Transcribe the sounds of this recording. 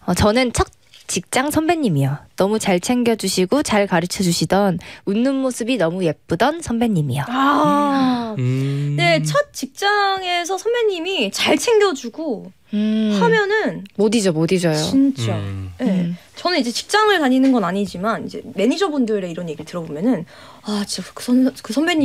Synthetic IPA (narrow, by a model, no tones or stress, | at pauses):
ʌt͡ɕʌnɯnt͡ɕʰʌt̚ | t͡ɕ͈ik̚t͡ɕ͈aŋsʰʌnbeɲːimijonʌmut͡ɕaɭt͡ɕʰe̞ŋɡjʌd͡ʑuɕʰiɡot͡ɕaɭkaɾɯt͡ɕʰʌd͡ʑuɕʰidʌnunːɯnmosʰɯbinʌmuje̞p̚p͈udʌnsʰʌmbeɲːimijoa | ne̞t͡ɕʰʌt̚t͡ɕ͈ik̚t͡ɕ͈aŋe̞sʰʌsʰʌnbe̞ɲːimit͡ɕaɭt͡ɕʰe̞ŋɡjʌd͡ʑuɡo | hamjʌnɯnmodid͡ʑomodid͡ʑʌjoint͡ɕ͈aje | t͡ɕʌnɯnid͡ʑe̞t͡ɕi̥k̚t͡ɕ͈aŋɯɭtaɲinɯnɡʌnaɲid͡ʑimanid͡ʑe̞̰me̞ɲid͡ʑʌbundɯɾe̞iɾʌnje̞ɡiɭtɯɾʌbomjʌnɯn | at͡ɕiakɯ̥sʰʌkɯsʰʌmbeɲi